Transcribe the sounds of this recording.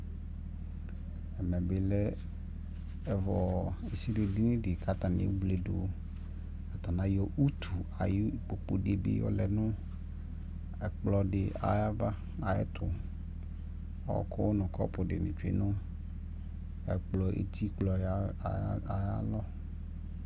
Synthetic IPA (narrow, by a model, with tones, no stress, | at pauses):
ɛ˨mɛ̃˨bɪ˨lɛ˦ | ɛ˨vɔ˨e˨si˦ɖe˨di˦nɪ̃˦ɖɪ˨kʰa˦t̪a˨nɪ̰̃˨˦ɡ͡ble˨ɖo˨ | a˨t̪a˨nã˦jɔ˦ʔu˦t̪ʰu˨a˨ji˦k͡po˨k͡po˨ɖe˨bɪ̰˦jɔ̰˦lɛ˨nʊ̃˦ | ɛ˨k͡plɔ˨ɖɪ˨ʔa̰˨ja˦va˦ | a˨ɛ˦t̪ʰʊ˨ | ɔ̰˦kʊ˦nʊ̃˨kɔ̰˦pʊ˨ɖɪ̰˨nɪ̰̃˨t͡ʃḭ˦nʊ̃˦ | ɛ̰˨k͡plɔ˨ʔḛ˨t̪ʰi˦k͡plɔ˨˦a˨ja̰˦lɔ˦